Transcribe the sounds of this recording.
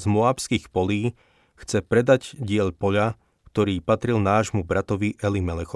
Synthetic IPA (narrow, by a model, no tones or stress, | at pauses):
zmɔaːpskixpɔliː | xt͡sɛpɾɛd̪aɟɟɪɛʎpɔʎa | k̚t̪ɔɾiːpat̪ɾilnaːʒmubɾat̪ɔʋiʔɛlimɛlɛxɔ